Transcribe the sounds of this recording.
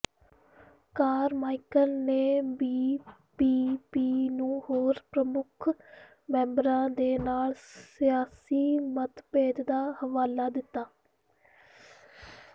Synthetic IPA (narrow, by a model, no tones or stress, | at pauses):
kaːɾmaːikəlneːbiːpiːpiːnũːhoːɾpɾəmʊkʰ | mɛ̃ːmbɾãːd̪eːnaːlsɪjaːsiːmət̪peːd͡ʒ̪d̪aːhəʋaːlaːd̪ɪt̪ːaː